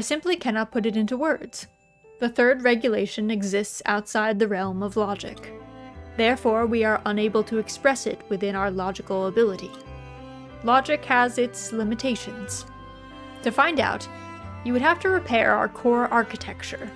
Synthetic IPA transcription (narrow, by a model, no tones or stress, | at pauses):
aɪsɪ̃mplikʰænɑt̚pʰʊɾɨɾɪ̃ntuwɜ˞dz̥ | ðɨθɜ˞d̚ɹɛɡjɨleɪʃɨ̃nɨɡzɪstsa̰ʊtsaɪd̪̚ðɨɹɛlˠmʌvlɑd͡ʒɨ̰k | ðɛɹfɔɹwiə˞ʔə̃neɪbl̩ˠtʰɨːkspɹɛsɪ̰t̚wɨθɪ̃ñaʊə˞lɑd͡ʒɨkl̩ˠəbɪlˠəɾḭ | lɑd͡ʒɨkhɨzɪtslɪ̃mɨtʰeɪʃɨ̃nz̥ | tʰɨfãɪ̃nda̰ʊt | jɨwɨɾ̚ɦæftʰɨɹɨpʰɛɹʔa̰ʊə̰˞kʰɔɹʔɑɹkɨtʰɛk̚t͡ʃə̰˞